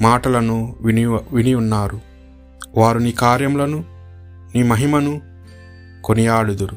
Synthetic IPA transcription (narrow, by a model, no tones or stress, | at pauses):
maːʈɐlɐnuʋiniʋinijunːaːɾu | ʋaːɾuniːkaːɾjɐmlɐnu | niːmɐɦimɐnu | konijaːɽud̪uɾu